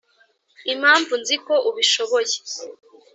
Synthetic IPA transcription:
im̥haːɱvunziko̞ʔuβiʃo̞βo̞je

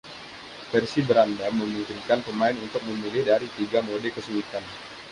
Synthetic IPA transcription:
fɛrsibəɾandaməmimpɪnkanpəmaɪnunt̪ʊk̚məmilɪhdaɾit̪iɡamodɛkəsulit̪an

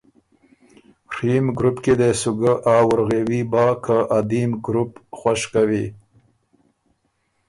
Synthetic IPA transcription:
rimɡɾupked̪esuɡəʔawəɾɣewibɑkʰəʔad̪imɡɾupxwaʃkawi

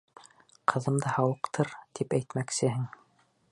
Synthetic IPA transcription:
qʰɤ̆ðɤ̆md̪ɑhɑwɤ̆qt̪ʰɤɾt̪ipæjt̪mæksɘɦɘŋ

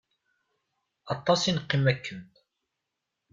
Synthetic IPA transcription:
ʔɑt̪ˤːɑsinqːimːækʰːənt̪

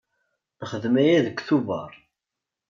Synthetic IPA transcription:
nəχəðmæjæðəkʷːθuvɑ̰ɾˤ

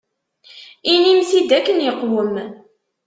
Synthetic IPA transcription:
inimsid̪ækːənjəqːwəm

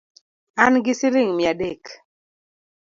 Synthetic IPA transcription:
anɡɪsɪɾɪŋmjadek

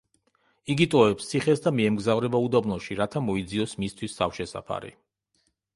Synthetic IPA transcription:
iɡit̪ʼɔɛpst̪sʰiχɛsd̪amiɛmɡzavɾɛbaud̪abnɔʃiɾat̪ʰamɔid̪ziɔsmist̪ʰwisːafʃɛsa̰pʰa̰ɾḭ

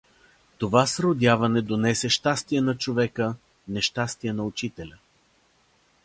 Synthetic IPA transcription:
t̪ovasɾod̪ʲjavɐnɛd̪onɛsɛʃt̪ast̪ijɛnɐt͡ʃovɛkə | nɛʃt̪ast̪iɛnɐʊt͡ʃit̪ɛlʲə

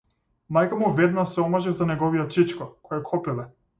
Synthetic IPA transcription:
majkamuvɛd̪nasɛɔmaʒɛzanɛɡɔvijɔt͡ʃit͡ʃkɔkɔjɛkʰɔpilɛ

